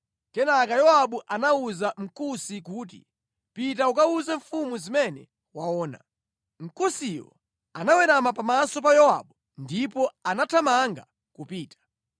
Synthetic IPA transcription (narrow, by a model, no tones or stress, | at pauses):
kɛnakajɔaɓuʔanauzam̩kusik̬uːtḭ | pit̬aukauzɛɱfumuzimɛnɛ | waɔːna̰ | m̩kusijɔ̰ | anawɛɾamapamasɔp̬ajɔwa̰ɓu | ndipɔanatʰamaŋɡa | kupiːtḁ